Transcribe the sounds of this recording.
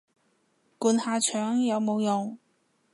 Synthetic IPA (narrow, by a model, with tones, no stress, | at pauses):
kuː˨˧nhaː˧t͡ʃʰœː˨˥ŋjɐ˨˧wmo˨˧wjʊ˨ŋ